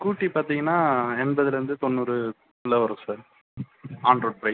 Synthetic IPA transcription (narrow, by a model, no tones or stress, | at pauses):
kuːʈːipaːɾt̪iːŋɡɐnːaːɛnbɐðɪlɐɾɯnd̪ɯt̪ɔnːɯɔɾɯ | ʊɭːɐʋɐɾũːsaːɾ | aːnɖɾoːʈ̚pɾɐɪ